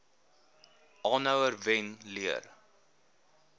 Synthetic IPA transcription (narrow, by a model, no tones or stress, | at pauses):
ɑːnəwərvɛnliər